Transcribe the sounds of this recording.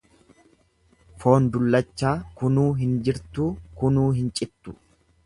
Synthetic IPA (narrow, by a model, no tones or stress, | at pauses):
fo̞ːnd̪ʊlːɐt͡ʃːaːkʊnuːɦɪnd͡ʒɪɾt̪uːkʊnuːɦɪnt͡ʃʼɪt̪ːʊ̥